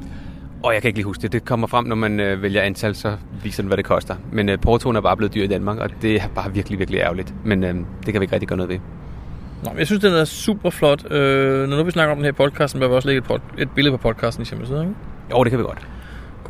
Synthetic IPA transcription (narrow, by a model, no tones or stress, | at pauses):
ʔɒ̽jɑɪkʰæeɡ̥liːhusɡ̥d̥e̝d̥e̝kʰɒ̽m̰ɐfʁɑm̰nɒmænøʋeljɐænt͡sʰælsɒ̽ʋḭːsɐd̥enʋæɾ̥e̝kʰɒ̽sd̥ɐmenøpʰɒːt͡sʰo̝ːnæɐb̥ɑ̈ːb̥le̝ð̩ˠdyɐ̰id̥ænmɑ̈ːɡ̥ɒ̽d̥e̝æɐb̥ɑ̈ːʋiɐɡ̥liʋiɐɡ̥liʔæɐlid̥menød̥ekʰæʋie̝ɡ̥ɡ̥̚i̥ɡɶːɐnɔðˠʋe | nɑ̰ɪmjaɪsynsd̥enæɐsṵb̥ɐflɒ̽d̥ønɒnuʋisnɑ̈ɡ̥əɒ̽md̥enhæɐpʰɒ̽d̥kʰɑːsd̥n̩bæɐʋiɒsleɡəedpʰɒ̥e̝d̥̚b̥e̝lðˠpʰɒ̽pʰɒd̥̚kʰɑ̈ːsd̥n̩iseməsiðˠeŋjoʊɾe̝kʰæʋiɡ̥ɒ̽d̥